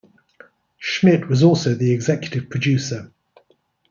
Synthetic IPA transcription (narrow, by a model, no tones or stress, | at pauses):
ʃmɪʔwɒzɔˑlˠsəʊðiɛɡzɛkjətɪv̥pʰɹ̥əd͡ʒʉˑsə